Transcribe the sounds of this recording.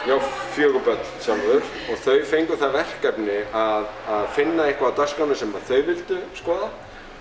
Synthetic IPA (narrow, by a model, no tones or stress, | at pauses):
jaːwfjœːɣʏpœt̪l̥sjamaðʏɾ̥ | ɔɣθœɥfejŋkʏθavɛr̥kapnɪaðaðfɪnːaehkvaawt̪arskanɪsɛmpaːɾθœɥvɪlt̪ʏskɔːða